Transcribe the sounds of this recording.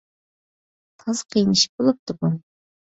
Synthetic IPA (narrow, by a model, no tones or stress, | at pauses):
t̪ʰɑzqʰijnɨʃi̥p̚bolˠup̚t̪ʰʊʁɑn